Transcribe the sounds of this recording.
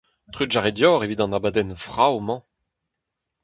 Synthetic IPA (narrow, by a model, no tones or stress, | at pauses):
t̪χyʒaʁed̪jɔːʁevid̪ɑ̃nabad̪ɛnfʁawmɑ̃